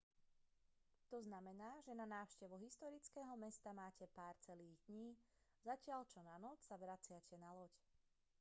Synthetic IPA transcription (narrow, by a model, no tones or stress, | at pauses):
t̪ɔznamɛnaːʒɛnanaːʊʃcɛʋuɦist̪ɔɾit͡skɛːɦɔmɛst̪amaːcɛpaːɾt͡sɛliːɣd̪ɲiː | zacɪaʎt͡ʃɔnanɔt͡ssaʋɾat͡sɪacɛnalɔc